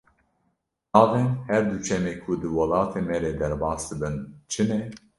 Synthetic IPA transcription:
nɑːvɛnhɛɾd̪ut͡ʃʰɛmeːkʰud̪ɨwɑlɑːt̪ʰeːmɛɾeːd̪ɛɾbɑːsd̪ɨbɨnt͡ʃʰɨnɛ

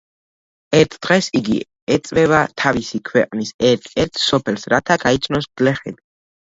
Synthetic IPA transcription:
ɛɾt̪ʰd̪̥ʁɛsiɡḭ | ɛt̪sʼvɛbat̪ʰavisikʰwɛqʼnisɛɾt̪ʰɛɾt̪ʰsɔpʰɛlsɾat̪ʰaɡait̪sʰnɔsd̪lɛχɛd̪i

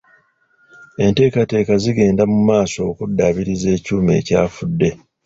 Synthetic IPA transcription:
e̞nte̞ːkate̞ːkaziɡe̞ːndamumaːso̞ːkudːaβiɾize̞ːcuːme̞̰ːcaːfudːe̞

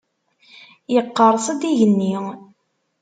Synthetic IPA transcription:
jəqːəɾˤsˤəd̪iʝənːi

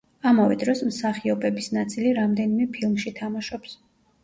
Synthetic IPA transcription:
amavɛ̰d̪ɾɔsmsaχiɔbɛbisnat̪sʼiliɾamd̪ɛnimɛpʰilˠmʃit̪ʰamaʃɔps

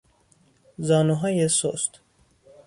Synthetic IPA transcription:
zɒːnuɦɒːjesost̪

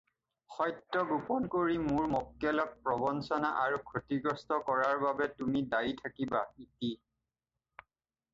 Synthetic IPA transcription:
xɔjtɹɔɡupɔnkoɹimʊɹmɔkjɔlɔk̚pɹɔbɔnsɔnaʔaɹukʰotiɡɔstɔkɔɹaɹbabɛtumidajtʰakibaiti

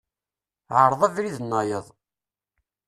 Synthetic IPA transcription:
ʕəɾˤðˤæðɾiðənːɑjəðˤ

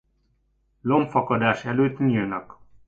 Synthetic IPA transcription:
lomfɒkɒd̪aːʃɛløːt̪nilnɒk

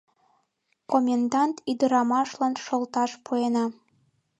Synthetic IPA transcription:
komʲend̪ɑnt̪id̪ə̆ɾɑmɑʃlɑnʃolt̪ɑʃpʰuenɑ

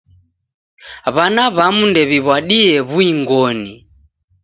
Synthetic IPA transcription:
βanaβamundɛβiβwaɗiɛβuiŋɡɔni

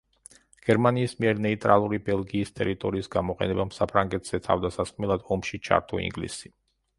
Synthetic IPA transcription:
ɡ̥ɛɾmaniːsmiɛɾnɛit̪ʼɾalˠuɾibɛlˠɡiːst̪ʼɛɾit̪ʼɔɾiːsɡamɔqʼɛ̰nɛbamsapʰɾaŋɡɛt̪ʰz̥ɛt̪ʰa̰vd̪asasqʼmɛlˠad̪ɔmʃit͡ʃʰa̰ɾt̪ʰɔḭŋɡlḭsi

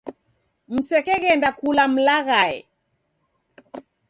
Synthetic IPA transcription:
m̩sɛkɛɣɛndakulam̩laɣaɛ̰

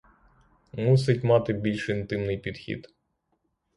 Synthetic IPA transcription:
mus̬ɪtʲmɑt̪ɪbʲilʲʃɪnt̪ɪmnɪjpʲid̪̥xʲḭd̪̥

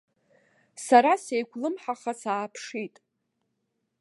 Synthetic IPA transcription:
saɾasejɡʷʰʼlɨmħaχasaːpʰʂitʼ

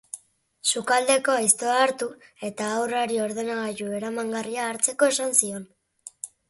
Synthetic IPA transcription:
sukald̪e̞ko̞ajst̪o̞aːɾt̪ue̞t̪aːwraɾio̞ɾðe̞naɣaʎue̞ɾamaŋɡariaːɾt͡se̞ko̞e̞sansio̞n

